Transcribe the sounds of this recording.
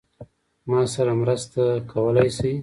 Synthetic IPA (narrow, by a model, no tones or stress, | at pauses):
mɑsaɾamɾəst̪akʰawəlajsij